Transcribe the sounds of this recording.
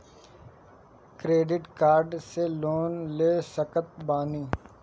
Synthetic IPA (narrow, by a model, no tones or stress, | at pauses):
kɾeːɖɪʈkaːɾɖseloːnleːsəkət̪̚baːniː